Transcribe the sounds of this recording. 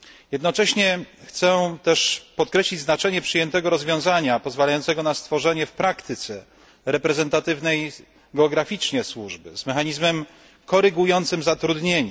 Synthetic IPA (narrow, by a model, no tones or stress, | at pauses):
jɛd̪nɔt͡ʂɛɕɲɛxt̪sɛt̪ɛʂpɔt̪kɾɛɕlʲid͡ʑʲznat͡ʂɛɲɛpʂɘjɛnt̪ɛɡɔɾɔzvʲjɔ̃w̃zaɲapɔzvalajɔnt̪sɛɡɔnast̪fɔʐɛɲɛfpɾakt̪ɘt̪sɛ | ɾɛpɾɛzɛnt̪at̪ɘvnɛj | ɡɛɔɡɾafʲit͡ʂɲɛswuʐbɘ̰zmɛxaɲizmɛm | kɔɾɘɡujɔnt̪sɘmzat̪ɾud̪ɲeɲ